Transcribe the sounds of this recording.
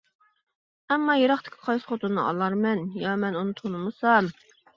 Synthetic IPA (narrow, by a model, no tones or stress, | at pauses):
ɛmːɑjeɾɑχt̪ʰɪ̥kʲʰɪ̥qʰɑjsɨ̥χot̪unnɨ̰ʔɑ̰lˠɑɾmɛnjɑmɛnunɨt̪ʰonɨmɨsɑm